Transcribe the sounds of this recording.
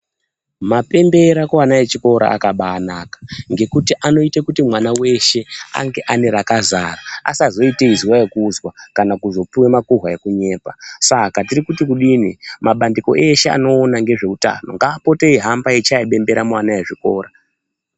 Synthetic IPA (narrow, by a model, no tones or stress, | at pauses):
mape̞mbe̞ɾakowanajet͡ʃiko̞ɾa̰a̰kaɓaːnaːkḁŋɡe̞kutiʔano̞itakutimwanawe̞ʃe̞a̰ŋɡe̞ʔane̞ɾakazaraa̰sazo̞iteiziwajekuzwakanakuzo̞puwemakuɦwaje̞kuɲe̞ːpasakatirikutikuɗinimaɓandiko̞̰ʔe̞ʃe̞a̰no̞ːnaŋɡe̞ʐe̞uta̰no̞ŋɡaːpo̞teiɦambaet͡ʃaiɓe̞mbe̞ɾamuwanajeʐiko̞̰ːɾa